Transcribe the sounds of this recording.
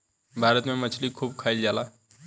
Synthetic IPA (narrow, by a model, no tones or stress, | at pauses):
bʱaɾət̪memət͡ʃʰlikʰubkʰəɪld͡ʒala